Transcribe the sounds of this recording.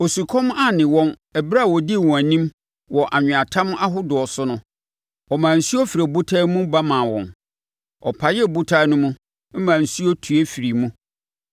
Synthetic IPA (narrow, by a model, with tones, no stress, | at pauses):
o˨su˨kʰɔ̃˦m˦a˦nɪ̃˨wɔ̃˦n | ɛ˨bɾa˦˨wɔ˨dɪ˦˨wũ˨æ̃˨nĩ˦m | wɔ˨ʔa˨ɲᶣɪ̃˨a˨tʰã˦m˦ʔa˦ɦʊ˦dʊ˨ɔ˨sʊ˦nʊ̃˦ | ɔ˨mãː˨n̩˨su˦ɔ˦fi˨ɾe˨bu˦tʰa˦mũ˦ba˦mã˨wɔ̰̃˨n | ɔ̰˨pʰa˨jɛ˦˨bu˦tʰa˦nʊ̃˦mũ˦ | m̩˦mãː˨n̩˨su˦ɔ˦tʰu˨e˦fi˨ɾi˨mũ˦